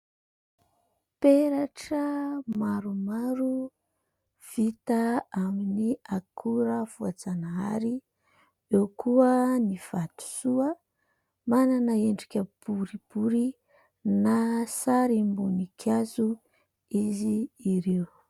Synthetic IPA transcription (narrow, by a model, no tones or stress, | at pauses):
peɾaʈ͡ʂəmaɾumaɾu | v̥it̪aaminiakʰuɾəvuad͡zanaa̰ɾi | ewkuəniv̥at̪u̥suə | mananəeɳɖ͡ʐikʲəb̥uɾib̥uɾi | nasaɾimbunikʰazu | iziːɾew